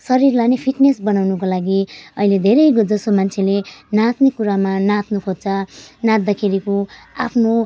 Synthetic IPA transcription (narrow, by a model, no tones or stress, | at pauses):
sʌɾirlanepʰiʈnesbʌnawnukolaɡiʌiled̪ʱeɾʌjɡod͡zʌsomant͡sʰelenat̪nikuɾamanat̪nokʰot͡sanãt̪̚d̪akʰeɾikoa̰pʰno